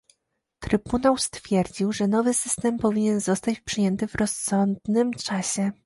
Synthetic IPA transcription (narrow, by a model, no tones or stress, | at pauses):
t̪ɾɘbunawst̪fʲjɛɾd͡ʑiwʐɛnɔvɘsɘst̪ɛmpɔvʲiɲɛnzɔst̪at͡ɕpʂɘjɛnt̪ɘvɾɔsːɔnd̪nɘmt͡ʂaɕɛ